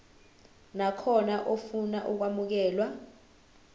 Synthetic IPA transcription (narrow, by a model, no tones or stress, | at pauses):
nakʰɔnaʔofunaʔuk̬wamuk̬ɛːlwa